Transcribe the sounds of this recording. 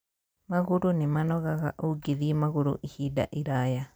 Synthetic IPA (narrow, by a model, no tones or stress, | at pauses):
maɣuɾunemanoɣaɣa̰ʔuɡiðimaɣuɾṵʔihida̰ʔiɾaja